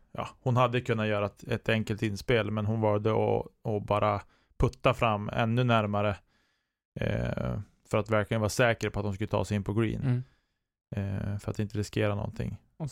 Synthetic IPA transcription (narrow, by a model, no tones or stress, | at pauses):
jɑ̰ːhʊnhad̪ːəkʰɵnːat̪jœːɾaɛt̪ʰɛŋkəlt̪ɪnːspeːlmɛnɦʊnvɑːld̪əɔ̰ɔbɑːɾʔa | pʰɵt̪ːafɾamːɛ̰nːɵnæɾmaɾə | fœɾat̪væɾklɪɡənvaːʂɛːkəɾpʰɔat̪hʊmskɵlːət̪ʰɑ̰ːsɛjɪnpʰɔɡɾḭːn | fœɾat̪ɪnt̪əɾɪskeːɾanɔ̰nt̪ʰɪ̰ŋː